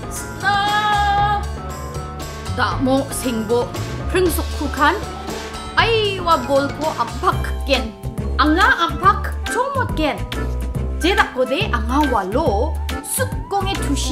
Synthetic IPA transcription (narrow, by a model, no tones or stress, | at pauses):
ta | daʔmɔseŋbɔpʰɾɯŋsɔkkʰːukʰan | ajwabɔlkʰɔʔam̚pʰakʰːen | aŋaʔampʰakʰt͡ʃʰɔmɔt̚ken | d͡ʒedak̚ɡɔd̪eʔaŋawalɔsuk̚ːɔŋetʰus